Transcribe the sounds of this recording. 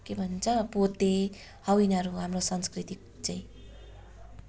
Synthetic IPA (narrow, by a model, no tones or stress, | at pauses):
kebʱʌnnt͡sʰʌbot̪e | hʌwinʌɾuɦamrosʌnskrit̪i | t͡saĩ